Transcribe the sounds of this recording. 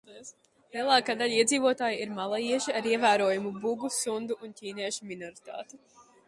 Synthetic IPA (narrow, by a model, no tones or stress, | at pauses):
s | lˠiɛlˠaːkaːd̪aliɛd̪ziːvuɔt̪aːjiiɾmalˠajiɛʃiaɾiɛvæːɾuɔjumubuɡusund̪uʔuncʲiːniɛʃuminɔɾit̪a̰ːt̪u